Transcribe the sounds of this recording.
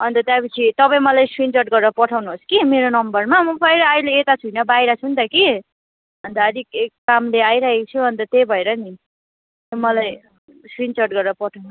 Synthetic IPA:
ʌnt̪ʌt̪jãpʌt͡sʰit̪ʌpaĩmʌlajswint͡sʌrʈ̚ɡʌɾɾʌpʌʈʰawnuɦoskimeɾonʌmbʌrmamʌpʰʌjɾʌajleːt̪at͡sʰujnʌbajɾʌt͡sʰunt̪ʌki | ɦʌnt̪ʌːd̪ikekːamleajɾaikt͡sʰuɦʌnt̪ʌt̪ebʱʌeɾʌni | omʌlaj | swint͡sʌrʈɡʌɾɾʌpʌʈʰawnu

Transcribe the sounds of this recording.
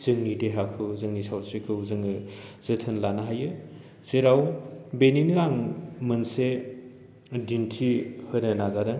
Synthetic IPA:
z̥ɯŋnideɦakʰɯwzɯŋnisawsikʰɯwzɯŋɯz̥ɯtʰɯnlanaɦajɯ | seɾawbeniniɾaŋmɯnse | dintʰihɯnɐnazadɯŋ

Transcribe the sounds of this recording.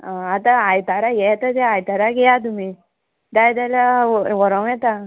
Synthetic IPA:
at̪aajt̪aɾajɛt̪ət̪ɛajt̪aɾaɡɛjat̪̬umi | d̪ajd̪alaʋɔɾãw̃jɛt̪a

